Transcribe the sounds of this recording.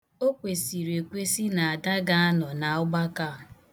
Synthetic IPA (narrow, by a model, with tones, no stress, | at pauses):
o˦kʷe˨si˨ɾe˨kʷe˦si˦na˨a˨da˦ɡa˦a˦nɔ˨na˨ʊ˦ɡ͡ba˦ka˦˨